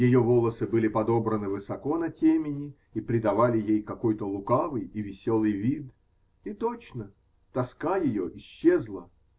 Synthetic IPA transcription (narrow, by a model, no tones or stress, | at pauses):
jɪjovolˠəsɨbɨlʲɪpɐd̪o̞bɾənɨvɨsɐko̞nɐtʲemʲɪnʲɪ | ipɾʲɪd̪ɐvalʲɪjejkɐko̞jt̪əlˠʊkavɨjivʲɪsʲolˠɨjvʲid̪ | it̪o̞t͡ɕnə | t̪ɐskajɪjo̞ʔɪɕːezlˠə